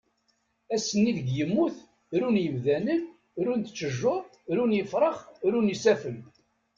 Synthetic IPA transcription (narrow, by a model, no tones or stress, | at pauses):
æsənːiðəɡjəmːuθ | ɾunjəmðænən | ɾunt̪t͡ʃːəʒːʊ | ɾunjəfɾˤəχɾunisæfəl